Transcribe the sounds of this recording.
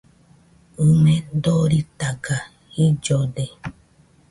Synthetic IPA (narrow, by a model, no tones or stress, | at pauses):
umẽd̪oɾit̪aɡa | id͡ʒode